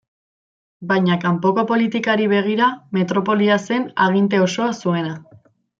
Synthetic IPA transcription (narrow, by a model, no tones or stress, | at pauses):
bajɲakampo̞ko̞po̞lit̪ikaɾiβ̞e̞ɣ̞iɾame̞t̪ɾo̞po̞liase̞naɣ̞int̪e̞o̞so̞asue̞na